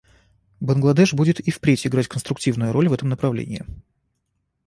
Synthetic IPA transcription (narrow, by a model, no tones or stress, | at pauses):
bənɡlˠɐd̪ɛʂbudʲɪt̪ifpɾʲetʲɪɡɾatʲkənst̪ɾʊktʲivnʊjʊɾo̞lʲvɛt̪əmnəpɾɐvlʲḛnʲɪ̰ː